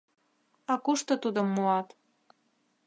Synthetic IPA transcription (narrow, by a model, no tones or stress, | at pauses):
ɑkuʃt̪ɤ̆t̪ud̪əmːuɑt̪